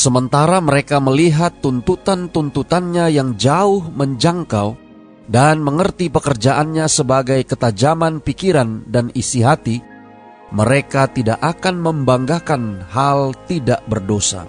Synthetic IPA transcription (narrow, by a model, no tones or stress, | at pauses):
səmənt̪aɾaməɾekaməliɦat̪ːunt̪ut̪ant̪unt̪ut̪anɲajaŋd͡ʒaʊhməɲd͡ʒaŋkaw | danməŋərt̪ipəkərd͡ʒaʔanɲasəbaɡajkət̪ad͡ʒamanpikiɾandanisiɦat̪i | məɾekat̪idaʔakanməmbaŋɡakanɦalt̪idaʔbərdosa̰